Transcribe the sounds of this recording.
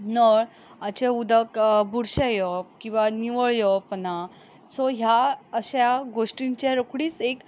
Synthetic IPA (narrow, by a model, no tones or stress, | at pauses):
nəɭ | at͡ɕaud̪əkbʱuɽɕajɔpkĩw̃ʋaniʋəɭjəpna | sɔɦjaəɕjaɡoʂʈiɲt͡ɕaɾəkʰɽiːt͡sek